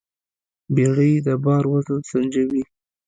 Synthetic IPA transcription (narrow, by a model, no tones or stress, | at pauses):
beɽəjd̪əbɑɾwazəsand͡ʒawi